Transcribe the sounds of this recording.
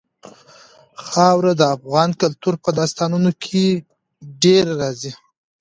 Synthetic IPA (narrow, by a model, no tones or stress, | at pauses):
xɑwɾad̪əafɣɑnkalt̪uɾpəd̪ɑst̪ɑnunokʰe | ɖeɾɾɑzi